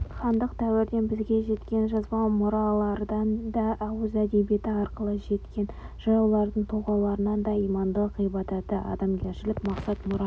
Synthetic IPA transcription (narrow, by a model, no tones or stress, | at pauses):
χɑnd̪əq̚t̪ʰæwɪɾd̪e̞nbɪzɡʲe̞ʒe̞t̪kʲe̞nʒɑzbɑmʊɾɑlˠɑɾd̪ɑnd̪ɑʔæwəzæd̪e̞bje̞t̪ɪɑɾqəlˠəʒe̞t̪kʲe̞n | ʒ̥ɑjuwlˠɑɾd̪əɴt̪ʰoʁɑlˠɑɾənɑnd̪ɑijmɑnd̪əqijbɑt̪ɑt̪əʔɑ̰d̪ɑmɡʲeɾʃɪlɪkmɑqsɑt̪mʊɾɑ